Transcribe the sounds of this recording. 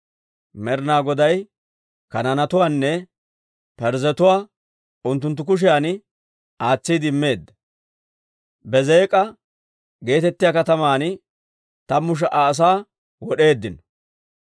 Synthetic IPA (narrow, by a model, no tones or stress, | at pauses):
mɛɾnaːɡɔd̪ɐj | kɐnɐnɐt̪ʊwaːnːɛ | pɛɾzɛt̪ʊwaː | ʊnt̪̬ːʊnt̪ːʊk̬ʊʃ̬ɪjaːn | aːt͡sːid̪ɪmːe̞ːd̪ːɐ | bɛzeːkʼɐ | ɡe̞ːt̪ɛt̪ːɪjaːkɐt̪ɐmaːn | t̪ɐmʊʃ̬ɐʔaːs̬aː | wɔɗe̞ːd̪ːɪn